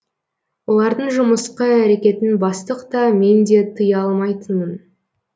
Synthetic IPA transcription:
wo̞lˠɑɾd̪əɴʒʊməsqəæɾe̞kʲe̞t̪ɪnbɑst̪əqt̪ɑme̞nd̪e̞t̪ʰəjɑlˠmɑjt̪ənən

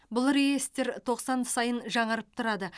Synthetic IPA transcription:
bʊlˠɾejest̪e̞ɾt̪ʰo̞qsɑnsɑjənʒɑɴəɾəp̚t̪ʰʊɾɑd̪ə

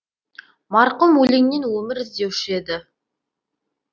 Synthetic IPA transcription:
mɑɾqəmwɵlɪŋnenwɵmɪɾɪzd̪ewʃe̞d̪ɪ

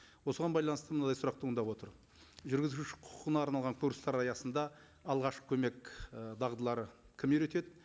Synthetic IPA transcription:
wo̞səʁɑnbɑjlˠɑnəst̪əmənɑd̪ɑjsʊɾɑq̚t̪əənd̪ɑpwo̞t̪əɾ | ʒʏɾɡʲɪzuʃɪqʰʊ̥qʰʁənɑːɾnɑlˠʁɑŋkʰuɾst̪ɑɾɑjɑsənd̪ɑ | ɑlˠʁɑʃqə̥kʲʰɵme̞kʲd̪ɑʁd̪əlˠɑɾə | kʲʰɪmeɾet̪e̞d̪ɪ

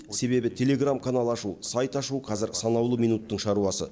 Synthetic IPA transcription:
se̞βe̞bɪt̪ʲʰe̞le̞ɡramkʰanalˠɑʃusajt̪ɑʃuqʰɑzɪɾsɑnɑwlˠəmijnut̪ːəɴʃɑɾuɑsə̰

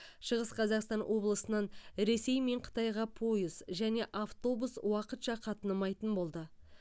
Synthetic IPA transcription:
ʃəʁəsqʰɑzɑqst̪ɑnwʔo̞blˠəsənɑnɾe̞se̞jme̞ɴqʰə̥t̪ɑjʁɑpʰo̞jəzʒæne̞ʔaft̪o̞buswɑqət̪ʃɑqʰɑt̪ənəmɑjt̪ənbo̞lˠd̪ə

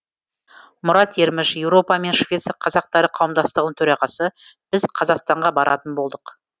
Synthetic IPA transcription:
mʊɾɑt̪e̞ɾmɪʃje̞wɾo̞pɑme̞nʃvʲe̞t̪sqʰːɑzɑq̚t̪ɑɾəqʰɑwəmd̪ɑst̪əʁənəɴt̪ʰɵɾɑʁɑsəb̥ɪzqʰɑzɑqst̪ɑɴʁɑbɑɾʔɑ̰t̪ənbo̞lˠd̪əq

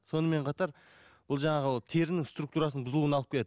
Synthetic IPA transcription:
so̞nəme̞ɴqʰɑt̪ɑɾ | b̥ʊlˠʒɑɴɑʁət̪ʰe̞ɾɪnɪŋst̪ɾuk̚t̪uɾɑsənbʊzəlˠuənɑlˠəp̚kʰʲeeɪ

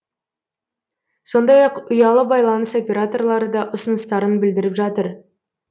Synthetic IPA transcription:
so̞nd̪ɑjɑqʊjɑlˠəbɑjlˠɑnəso̞pʲe̞ɾat̪o̞rlˠɑɾəd̪ɑʔʊsənəst̪ɑɾənbɪld̪ɪɾɪpʒɑt̪əɾ

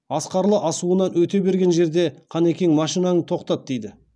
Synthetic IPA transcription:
ɑsqɑɾlˠəʔɑsuənɑnwɵt̪e̞be̞ɾɡʲe̞nʒe̞ɾd̪e̞qʰɑne̞kʲeŋmɑʃinɑnət̪ʰo̞qt̪ɑt̪̚d̪e̞jd̪ɪ

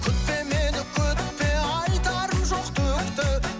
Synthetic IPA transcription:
kʲʰʏt̪pe̞menɪkʲʰɵt̪pe̞ɑjt̪ɑɾəmʒo̞qt̪ʰɵkt̪ɪ

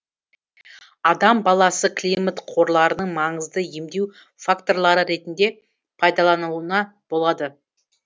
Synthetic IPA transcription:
ɑd̪ɑmbɑlˠɑsəklʲimat̪qʰo̞ɾlˠɑɾənəɴmɑɴəzd̪əje̞md̪e̞w | fakt̪o̞ɾlˠɑɾəɾe̞t̪ɪnd̪e̞ | pʰɑjd̪ɑlˠɑnəənɑb̥olˠɑd̪ə

